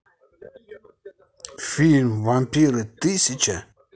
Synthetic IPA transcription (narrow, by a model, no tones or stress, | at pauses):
filmvampiɾɨt̪ɨsit͡ʃa